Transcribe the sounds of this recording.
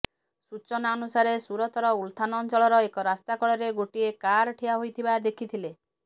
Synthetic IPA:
sut͡ʃɔnaɔnusaɾesuɾɔt̪ɔɾɔult̪ʰanɔːnt͡ʃɔɭɔɾɔekɔɾast̪akɔɭɔɾeɡoʈiekaɾʈʰijaɦojt̪ʰibad̪ekʰit̪ʰile

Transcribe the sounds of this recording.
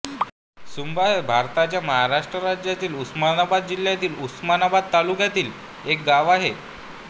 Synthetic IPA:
sumbaɦebʱaɾt̪at͡ɕjaməɦaɾaʂʈɾəɾad͡ʑjat̪iːlusmanabad̪̚d͡ʑilːjat̪iːlusmanabad̪̚t̪alukjat̪iːl | ek̚ɡaʋaɦe

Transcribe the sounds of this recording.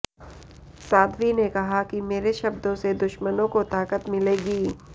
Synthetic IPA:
saːd̪ʋinekɐɦakimeːɾeʃɐbd̪õsed̪ʊʃmənõkot̪aːkət̪mɪleːɡiː

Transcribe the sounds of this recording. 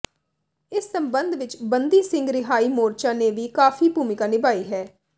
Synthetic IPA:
ɪsːəmbənd̪ʋɪt͡ʃbənd̪iːsɪ̃ŋɡɾɪɦaːiːmoːɾt͡ʃaːneːʋiːkaːfʰiːbuːmɪkaːnɪbaːiːɦɛː

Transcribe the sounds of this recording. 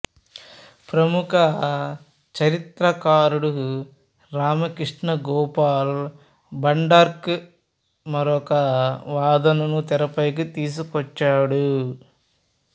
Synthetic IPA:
pɾɐmukʰɐ | t͡ʃɐɾit̪ɾɐkaːɾuɽu | ɾaːmɐkɾiʂɳɐɡɔːpaːl | bɐɳɖaɾk | mɐɾɔkɐʋaːd̪ɐnɐnut̪ɛɾɐpɐjk̬it̪iːs̬ukɔt͡ʃːaːɽu

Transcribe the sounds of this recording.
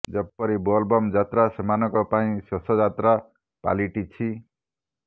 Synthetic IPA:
d͡zʌbpːʌɾibɔlbɔmd͡ʒat̪ɾasɔmanɔkɔpaĩsɔsɔd͡zat̪ɾa | pa̰liʈit͡sʰi

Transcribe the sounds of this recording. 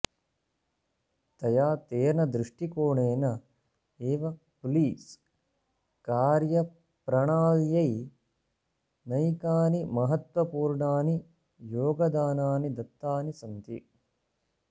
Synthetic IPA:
t̪ɐjaːt̪eːnɐd̪ɾuʂʈikoːɳeːnɐ | eːʋɐ | pliːs | kaːɾjɐ | pɾɐɳaːljɐj | nɐjkaːnimɐɦɐt̪ʋɐpuːɾɳaːni | joːɡɐd̪aːnaːnid̪ɐt̪ːaːnisɐnt̪i

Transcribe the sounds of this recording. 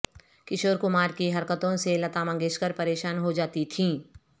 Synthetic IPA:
kɪʃoːɾkʊmaːɾkiɦɐɾkət̪õselɐt̪aːmɐ̃ŋɡɪskəɾpɐɾeːʃaːnɦod͡ʒaːt̪it̪ʰĩː

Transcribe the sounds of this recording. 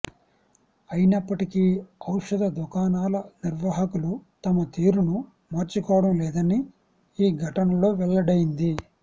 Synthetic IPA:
ɐjinɐpːɐʈikiɐwʂɐd̪ɐd̪ukaːnaːlɐniɾʋaːɦɐkulut̪ɐmɐt̪iːɾunu | maːɾt͡ʃukɔːʋɐɽɐmlɛːd̪ɐni | iːɡʱɐʈɐnɐlo̞ːʋɛɭːɐɽɐjind̪i

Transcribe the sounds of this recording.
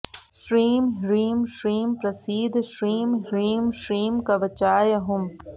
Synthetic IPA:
ʃɾiːmɦɾiːmʃɾiːmpɾɐsiːd̪ʃɾiːmɦɾiːmʃɾiːmkɐʋɐt͡ʃaːjɐɦʊm

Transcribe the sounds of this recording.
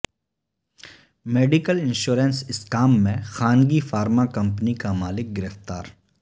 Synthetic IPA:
meːɖɪkəlɪ̃nʃuːɾə̃nsɪskaːmːẽxaːnɡifaːɾmakɐ̃mpnikamaːlɪk̚ɡɪɾəft̪aːɾ

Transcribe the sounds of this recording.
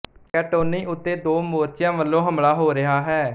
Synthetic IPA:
kɛːʈoːniːʔʊt̪ːeːd̪oːmoːɾt͡ʃjãːʋəlːõːɦəmɭaːɦoːɾɪɦaːɦɛː

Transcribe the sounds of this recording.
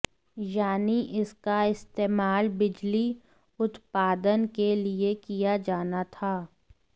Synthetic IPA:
jaːniʔɪskaɪst̪eːmaːlbɪd͡ʒli | ʊt̪paːd̪ənkeliekijad͡ʒaːnat̪ʰaː

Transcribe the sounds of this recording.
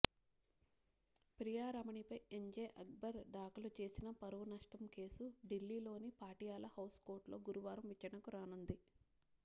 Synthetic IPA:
pɾijaːɾɐmɐɳipɐjeɲd͡ʒeːʔɐɡ̚bɐɾɖaːkɐlut͡ʃe̞ːsinɐpɐɾɐʋunɐʂʈɐmke̞ːsuɖilːiːlo̞ːnipaːʈijaːlɐhɐwsko̞ːɾʈlo̞ːɡuɾuʋaːɾɐmʋit͡ʃɐɾɐɳɐkuɾaːnund̪i

